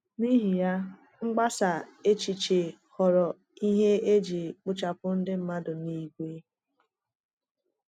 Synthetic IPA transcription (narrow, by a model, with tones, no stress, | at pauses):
ni˦ɦi˨ja˦ | ŋ͡m̩˦ɡ͡ba˦sa˨e˦t͡ʃi˨t͡ʃe˨hɔ˨ɾɔ˨ | i˦ɦe˦e˦d͡ʒi˨k͡pʊ˦t͡ʃa˨pʊ˦n̩˦dɪ˦m̩˦ma˦dʊ˨ni˦ɡʷe˦